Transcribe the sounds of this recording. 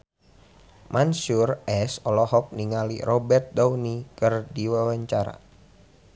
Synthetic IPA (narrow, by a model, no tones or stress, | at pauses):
mʔansurɛsɔlɔhɔk̚niŋalḭrɔbɛrt̪̚dawnikɨrdiwawaɲt͡ʃaɾa̰